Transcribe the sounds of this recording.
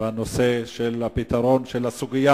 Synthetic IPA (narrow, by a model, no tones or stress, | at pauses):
ano̞se̞ʃelapit̪aʁo̞nʃelasuɡija